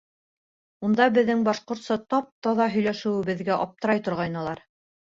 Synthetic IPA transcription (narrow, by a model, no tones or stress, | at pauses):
und̪ɑbɘ̆ðːɘŋbɑʃqŏɾt̪sɤt̪ɑp̚t̪ɑðɑɦɵ̆jlæʃɘ̆wɘ̆βɘ̆ðɡæʔɑp̚t̪ɤ̆ɾɑjt̪ŏɾʁɑjnɤ̆lˠɑɾ